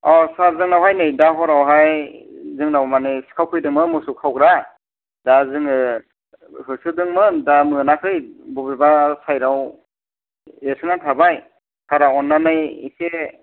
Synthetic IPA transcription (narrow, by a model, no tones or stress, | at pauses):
ɔsazɯŋnawɦajnɯjdaɦɔɾawɦajzɯŋnawmanesɯ̥kʰawkʰɯjdɯŋmɯmɯsukʰawɡɾa | dazɯŋɯ | hɯsɯdɯŋmɯdamɯnakʰɯjbubibasajɾaw | esɯnatʰabaj | kʰaɾawɔnːanɯjḭse